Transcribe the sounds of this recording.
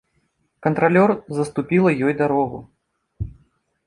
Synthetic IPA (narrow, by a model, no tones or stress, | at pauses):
kɐnt̪ɾalʲɔrzɐst̪upʲilˠɐjɔjd̪aɾɔɣu